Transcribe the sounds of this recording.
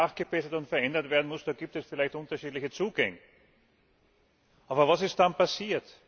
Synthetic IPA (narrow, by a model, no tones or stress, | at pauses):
aːχɡ̥əb̥ɛsɐtʊntfɛɐʔɛndɐtv̥eːɐdn̩mʊsd̥aːɡiːp̚tɛsfɪlæɪçtʊntɐʃiːdlɪçət͡suːɡɛŋə | ʔaːbɐvasɪst̚d̥anpʰasiːɐt